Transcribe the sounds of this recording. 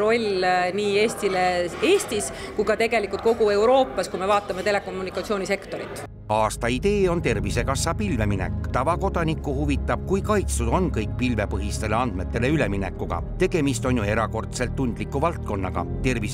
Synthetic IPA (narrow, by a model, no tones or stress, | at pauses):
ɾo̞lʲniːeːst̪ileeːst̪iskujɡ̥ɑt̪e̞ɡe̞likːˑult̪̚koɡue̞wɾo̞ːpːˑɑskume̞vɑːt̪ːˑɑme̞t̪e̞le̞ko̞mːunikːˑɑt̪sio̞ːnʲise̞kt̪o̞ɾit̪ːˑ | ɑːst̪ɑid̪̥e̞ːo̞nt̪e̞rvise̞kɑsːɑpilve̞minḛkːˑt̪ɑvɑko̞d̪̥ɑnikːˑuhuvit̪ːˑɑb̥̚kujkɑjt̪st̪ud̪o̞nkɤjk̚pilve̞pɤɦist̪e̞leɑnd̪̥me̞t̪ːˑe̞leyle̞mine̞̰kːˑuɡ̥ɑ̰t̪e̞ɡ̥e̞mist̪o̞njue̞ɾɑko̞rt̪se̞lt̪ːund̪̥likːˑuvɑlt̪̚ko̞nːɑ̰ɡ̥ɑ̰t̪e̞rvis